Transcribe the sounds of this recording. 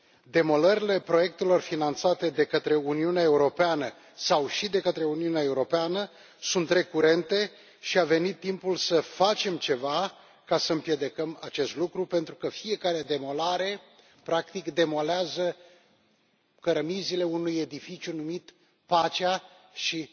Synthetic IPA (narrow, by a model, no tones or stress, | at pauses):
d̪e̞mo̞ləɾile̞pɾo̞je̞k̚t̪e̞lo̞rfinant̪sat̪e̞d̪e̞kət̪ɾe̞uniuneaeuɾo̞peanə | sawʃid̪e̞kət̪ɾe̞uniuneae̞uɾo̞peanə | sunt̪ɾe̞kuɾe̞nt̪e̞ | ʃiave̞nit̪ːimpulsəfat͡ʃe̞mt͡ʃe̞va | kasəɨmpje̞d̪e̞kəma̰t͡ʃe̞st̪lukɾupe̞nt̪ɾukəfie̞kaɾe̞d̪e̞mo̞laɾe̞ | pɾakt̪ikd̪e̞mo̞leazə | kəɾəmizile̞unuje̞d̪ifit͡ʃʲjunumit̪ | pat͡ʃea | ʃi